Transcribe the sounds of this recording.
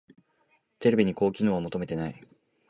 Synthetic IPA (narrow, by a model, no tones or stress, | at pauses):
t̪e̞ɾe̞bʲiɲ̟iko̞ːkʲino̞ːomo̞t̪o̞me̞t̪e̞nai